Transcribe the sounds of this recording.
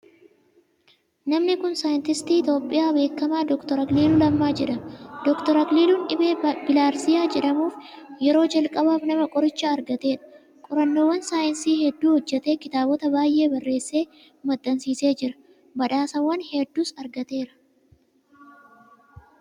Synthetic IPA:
nɐmnɪkʊnsaːjɪnt̪ɪst̪iːɪt̪o̞ːpʼːɪjaːbe̞ːkːɐmaːd̪ɔkt̪ɔɾɐkliːlʊlɐmːaːd͡ʒɛᶑɐmɐd̪ɔkt̪ɔɾɐkliːlunᶑɪbeːbɪlaːɾsɪjaːd͡ʒɛᶑɐmuːfjɛɾo̞ːd͡ʒɐlkʼɐbaːfnɐmɐkʼɔɾɪt͡ʃːɐːɾɡɐt̪e̞ːᶑɐ̥ | kʼɔɾɐnːo̞ːwːɐnsaːjɪnsiːhɛd̪ːuːhɔd͡ʒːɛt̪e̞ːkɪt̪aːbɔt̪ɐbaːjʔe̞ːbɐrːe̞ːsːe̞ː | mɐt̪ʼːɐnsiːse̞ːd͡ʒɪɾɐ̥ | bɐᶑaːsɐwːɐnhɛd̪ːuːsɐɾɡɐt̪e̞ːɾɐ̥

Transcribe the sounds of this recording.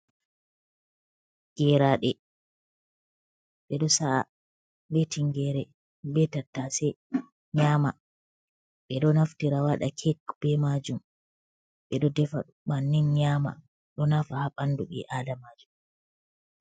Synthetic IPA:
ɡ̥ɛɾaɗɛ | ɓɛɗɔsaa̰ | betiŋɡɛɾɛ | bɛtatːasɛ | ɲama | ɓɛɗɔnaftiɾawaɗa̰kʰɛkb̥ɛmad͡ʒum | ɓɛɗɔdɛfa̰ | manːinɲaːma̰ | ɗɔnafahaɓanduɓɛ̰ʔadamad͡ʒum

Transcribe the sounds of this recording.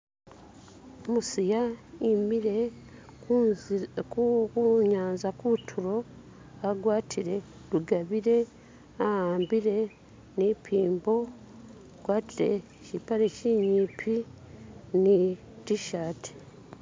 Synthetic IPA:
omusijaimiɾe | kuɲaːnzakutʰuɾo̞ | aɡwaːtʰiɾe̞ | ɾuɡaβiɾe̞ | ahaːmbiɾe̞ | nipʰiːmbo̞ | ɡ̥waːtiɾe̞̰ | cipaɾeciɲiːpʰi | ni | tiʃaːtʰi̥

